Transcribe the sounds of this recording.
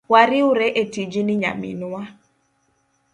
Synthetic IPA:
waɾɪʊɾeʔetid͡ʒinɪɲa̰mḭnʊwa

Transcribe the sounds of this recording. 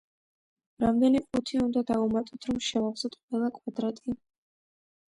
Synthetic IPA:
ɾamd̪ɛniχut̪ʰiund̪ad̪aumat̪ʼɔt̪ʰɾɔmʃɛvavsɔt̪ʰqʼwɛlˠakʼwad̪ɾat̪ʼi

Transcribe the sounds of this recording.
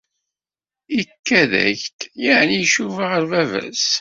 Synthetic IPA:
ikːæðæ̰çt̪jəʕnijʃuvəʁəɾvævæ̰s

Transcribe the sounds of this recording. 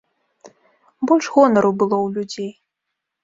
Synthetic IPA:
bɔlʲʂɣɔnɐɾuwbɨlˠɔwlʲud͡zʲej

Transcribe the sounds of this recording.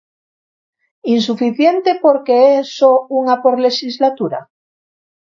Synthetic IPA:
ins̬ufiθjent̪epoɾkeesouŋapoɾle̞ʃizlat̪uɾa̰

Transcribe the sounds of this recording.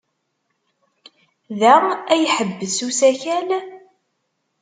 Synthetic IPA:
ðæɾˤæjħəbːəsusæçæl

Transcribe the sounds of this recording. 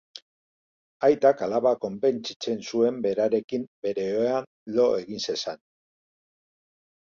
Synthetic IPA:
ajt̪akalaβako̞mpe̞nt͡sit͡se̞nsue̞mbe̞ɾaɾe̞kimbe̞ɾe̞ean | lo̞e̞ɣinse̞san

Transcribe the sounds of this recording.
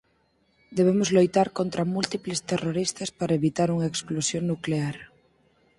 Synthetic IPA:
d̪eβ̞emozlojt̪aɾkont̪ɾamult̪iplest̪eroɾist̪ɐspaɾaeβit̪aɾuŋɐeksklosjoŋnukleaɾ

